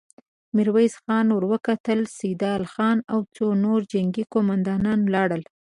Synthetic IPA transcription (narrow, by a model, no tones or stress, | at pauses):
mɪɾwajzxɑnwəɾwəkat̪əlsid̪ɑlxɑnawt͡sonoɾd͡ʒaŋɡikomand̪ɑnɑnlɑɽəl